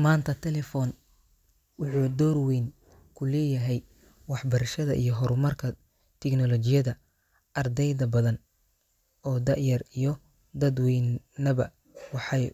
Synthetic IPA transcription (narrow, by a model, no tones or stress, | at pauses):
maːnt̪ʰɐt̪ʰɛlɛfɔːn | wʊħuːd̪ɔːrwɛjn | kʰʊlɛːjɐɦɛj | wɑħbɐɾɐʃɐðɐʔḭjɞɦɔɾʊmɐrkʰɐ | t̪ʰɛɡnɔlɔt͡ʃɪjɐðɐ | ʔɐrd̪ɛjðɐbɐðɐn | ɔːd̪ɑʕjɐrijɔ | d̪ɐd̪wɛjnːɐβɐ | wɑħɑj